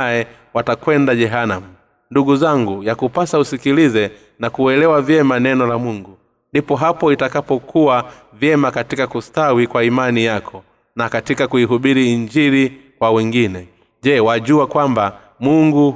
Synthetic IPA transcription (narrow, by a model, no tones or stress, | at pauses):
ɛ | watakwɛndaʄɛɦanamu | nduɡuzaŋɡujakupasausikilizɛ | nakuwɛlɛwavjɛmanɛnɔlamuŋɡu | ndipɔɦapɔitakapɔkʰuwa | vjɛmakatikakustawikwaimanijakʰɔ | nakatikakuiɦuɓiɾiiɲd͡ʒiɾikwawɛŋɡinɛ | ʄɛwaʄuakwamba | muŋɡu